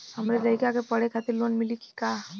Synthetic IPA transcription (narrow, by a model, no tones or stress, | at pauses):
həmɾed̪ɐikakepɐɽ̤ekʰat̪ɪɾloːnmɪliki̥ka